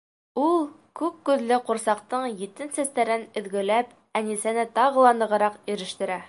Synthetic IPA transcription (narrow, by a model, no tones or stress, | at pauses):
ulˠ | kʉk̚ːʉðlɘquɾsɑqt̪ɤɴjit̪ɘnsæst̪æɾɘnɵ̆ðɡɵ̆læp | ænisænɘt̪ɑʁɤ̆lˠɑnɤ̆ʁɤ̆ɾɑqiɾɘ̆ʃt̪ɘ̆ɾæ